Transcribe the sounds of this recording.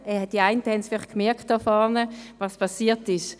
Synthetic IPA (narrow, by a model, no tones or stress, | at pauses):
ɛɛd̥iaɪntəhɛnsfɪlɪχkmɛɐkt̚d̥ɔfɔɐnəvɑspʰɑsiːɐtɪʃ